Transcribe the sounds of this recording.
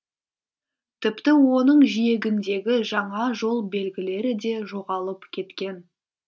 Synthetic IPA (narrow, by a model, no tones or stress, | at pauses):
t̪ʰɪpt̪ɪwo̞nəɴʒije̞ɡʲɪnd̪e̞ɡʲɪʒɑɴɑʒo̞lˠbe̞lɡʲɪle̞ɾɪd̪e̞ʒo̞ʁɑlˠəpkʲʰe̞t̪kʲe̞n